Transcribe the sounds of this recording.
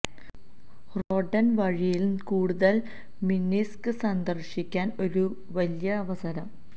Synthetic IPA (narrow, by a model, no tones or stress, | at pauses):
ro̞ːɖɐnʋɐɻijilkuːɽuðɐl | minːiskɨsɐnd̪ɐrɕikʲːaːno̞ɾu | ʋɐlijɐːʋɐsɐɾɐm